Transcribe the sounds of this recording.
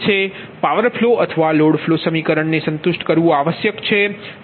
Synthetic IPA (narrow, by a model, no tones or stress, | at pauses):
t͡ʃʰe | paʋəɾfʰloʔət̪ʰəʋaloɽfʰlosəmikəɾəɳnesə̃nt̪ʊʃʈkəɾʋũaʋəsjəkt͡ʃʰe